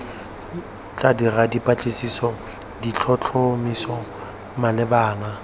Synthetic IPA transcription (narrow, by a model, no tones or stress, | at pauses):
t͡ɬʼadiradipʼat͡ɬʼɪsisɔ | dit͡ɬʰɔt͡ɬʰomisɔ | malɪbaːna